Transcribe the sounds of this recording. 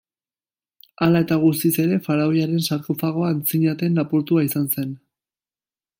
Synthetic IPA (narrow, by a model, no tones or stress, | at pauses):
alae̞t̪aɣ̞us̬t̪ise̞ɾe̞faɾaojaɾe̞nsaɾk̪ofaɣ̞o̞aːnt͡siɲat̪e̞nlapuɾt̪uaisanse̞n